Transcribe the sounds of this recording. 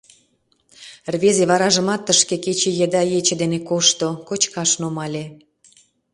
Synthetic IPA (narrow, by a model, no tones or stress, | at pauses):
rβezeβɑɾɑʒə̆mɑt̪ːəʃkeket͡ɕejed̪ɑjet͡ɕə̆d̪enekoʃt̪okot͡ɕkɑʃnomɑlʲe